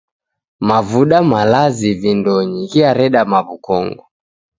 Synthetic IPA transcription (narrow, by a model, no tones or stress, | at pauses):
mavuɗamalazivindɔɲiɣiaɾɛɗamaβukɔ̰ŋɡɔ